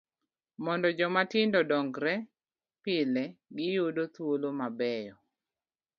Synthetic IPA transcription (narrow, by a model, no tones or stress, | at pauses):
mɔndɔd͡ʒɔmatɪndɔdɔŋɡɾɛ | pɪlɛɡɪjodot̪wolomabɛjɔ